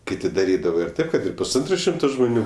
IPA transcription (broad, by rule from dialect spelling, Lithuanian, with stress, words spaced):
ˈkʲɪtʲɪ dɐˈrʲiːdɐʋɐ ɪr ˈtɐɪp kɐt ɪr pʊsˈɐntroː ˈʃʲɪmtoː ʒmoːˈnʲuː